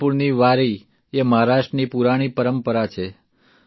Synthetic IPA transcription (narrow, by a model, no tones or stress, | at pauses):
puɾniʋaɾi | eməɦaɾaʃʈənipuɾaɽ̃ipəɾəmpəɾat͡ʃʰe